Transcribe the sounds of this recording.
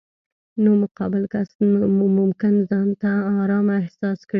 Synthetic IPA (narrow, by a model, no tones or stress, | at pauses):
nomʊqɑbɪlkasmʊmkɪnzɑnt̪aɑɾɑmɪhsɑskɽ